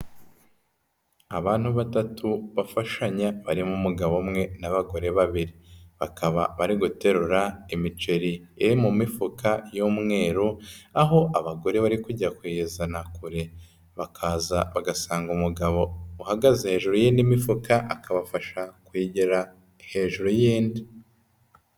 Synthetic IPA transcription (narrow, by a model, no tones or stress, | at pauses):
aβaːn̥huβatatʰuβafaʃaɲaβaɾimumuɡaβo̞mŋe̞naβaɡo̞ɾe̞βaβiɾiβakʰaβa̰βaɾiɡute̞ɾuɾaimit͡ʃe̞ɾi | eɾimumifukʰajoːmŋe̞ːɾuaɦo̞ʔaβaɡo̞ɾe̞βaɾikuɟakwiizanakuɾe̞ | βakʰaːzaβaɡasaːŋɡumuɡaβo̞uhaɡazehe̞ːʒuɾujiːndimifukaʔakaβafaʃakwiːɟeɾa | he̞ːʒuɾujiːndi